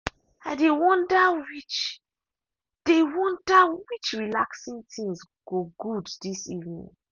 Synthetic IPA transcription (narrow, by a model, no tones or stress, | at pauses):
adewɔ̃ndawit͡ʃ | d̥ewɔ̃ndawit͡ʃɹilaksĩntʰĩŋz | ɡ̥oɡuddisivnḭ̃ŋ